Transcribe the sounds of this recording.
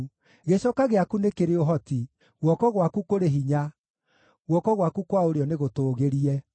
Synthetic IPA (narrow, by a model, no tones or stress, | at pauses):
ɣeɕɔkaɣeakunekeɾeoɦɔti | ɣwɔkɔɣwakukoɾeɦiɲa | ɣwɔkɔɣwakukwaoɾeɔneɣotoːɣeɾiɛ